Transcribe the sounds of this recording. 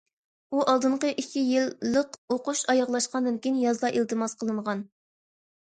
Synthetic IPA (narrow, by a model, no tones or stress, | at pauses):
uʔɑlˠd̪ɨɴqəʔikʲʰːijilːəqoquʃɑjɑʁlˠɑʃqɑnd̪ɨnkʲijnjɑzlˠɑʔilt̪ɨmɑsqʰəlˠɨɴʁɑn